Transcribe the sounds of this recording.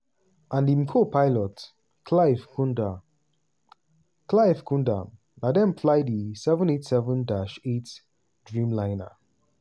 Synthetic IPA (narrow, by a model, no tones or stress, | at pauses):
ʔãndimkʰopʰaɪlɔt | klaɪfkunda | klaɪfkʰũndã̰m | ladɛ̃npflaɪdisɛvə̃netsɛvə̃ndaʃet | dɹĩmlãɪnə̰